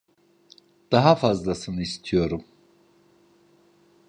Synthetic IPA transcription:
d̪̥aɦafazlˠasɯnɯist̪ʰijo̞ɾum

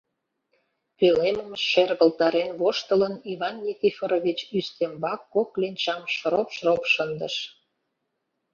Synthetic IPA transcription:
peleməmeʃerɣəlt̪ɑɾenβoʃt̪ələniβɑnːʲikʲifoɾoβʲit͡ɕyst̪embɑkːoklinʲt͡ɕɑmʃɾopʃropʃənd̪əʃ

